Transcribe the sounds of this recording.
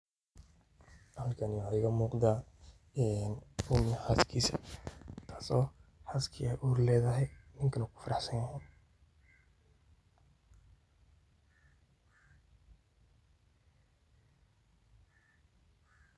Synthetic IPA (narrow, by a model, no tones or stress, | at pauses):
hɐlkʰɐnɪwħaɪɣɐmuːqd̪aː | ɛnʊmɪjħaːskʰiːsɐ̰t̪ʰḁːsɔːħaskʰɪɛjʔuːɾlɛːðɐɦɛjnɪŋkʰɐnɐkʰʊ̥fɐɾɑħsɐnjɐɦʊn